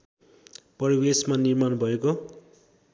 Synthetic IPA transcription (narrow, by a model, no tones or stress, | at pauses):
pʌɾiwesmanirmanbʱʌeko